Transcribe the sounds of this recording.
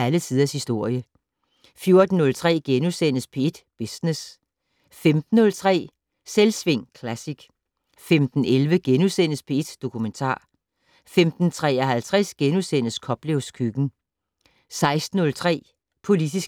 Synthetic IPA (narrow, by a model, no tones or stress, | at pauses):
ælət͡sʰiðˠɐshisd̥o̝ɐ̰jə | fjo̝ɐd̥n̩ːɔ̽lt͡sʰʁɛ̰ːɡ̥enusen̰əspʰee̝d̥b̥esnes | femd̥n̩ːɔ̽lt͡sʰʁɛ̰ː | selsʋe̝ŋ̰kʰlæsiɡ̥ | femd̥n̩elʋəɡ̥enusen̰əspʰee̝d̥d̥o̝kʰument͡sʰɑ̰̈ː | femd̥n̩t͡sʰʁɛ̰ːɐɦælt͡sʰʁɛsɡ̥enusen̰əskʰɒ̽b̥leʊskʰyɡ̥n̩ | sɑ̈ɪsd̥n̩ːɔ̽lt͡sʰʁɛ̰ː | pʰo̝lid̥isɡ̥